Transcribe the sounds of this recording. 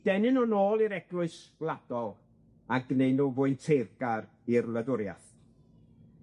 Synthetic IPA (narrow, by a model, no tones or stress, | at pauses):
d̥ɛnɨnɔnoːlˠiɾɛɡ̥lʊɨsɡ̥lˠad̥ɔlˠ | aɡneɨnuvʊɨntʰerɡaɾ | irlˠədʊɾja̰θ